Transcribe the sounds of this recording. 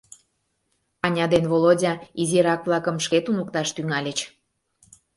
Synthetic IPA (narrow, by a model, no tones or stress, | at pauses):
ɑnʲɑd̪envolodʲɑiziɾɑkβlˠɑkəmʃket̪unuk̚t̪ɑʃt̪yŋɑlʲet͡ɕ